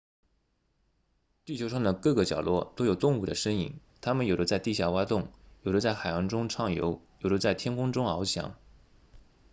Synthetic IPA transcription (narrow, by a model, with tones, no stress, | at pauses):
t̪i˥˩t͡ɕʰjo˧˥ʂɑ˥˩ŋd̪ə˩kɤ˥˩ɡə˩t͡ɕjɑ˨˩ʊlʔwɔ˥˩t̪o˥ʊjo˨˩ʊt̪ʊ˥˧ŋu˥˩d̪ə̰˩ʂə˥ŋḭ˨˩˦ŋ | t̪ʰa˥mə˨njo˨˩ʊd̪ə˦t͡sa˥˧ɪt̪i˥˧˩ɕja˥˩wa˥t̪ʊ˥˩ŋjo˨˩ʊd̪ə˦t͡sa˥˩ɪxa˨˩ɪjɑ˧˥ŋʈ͡ʂʊ˥ŋʈ͡ʂʰɑ˥˩ŋjo̰˧˥ʊjo˨˩ʊd̪ə˦t͡sa˥˩ɪt̪ʰjɛ˥nkʰʊ˥ŋʈ͡ʂʊ˥ŋɑ˧˥ʊt͡ɕʰjɑ̰˧˥˦ŋ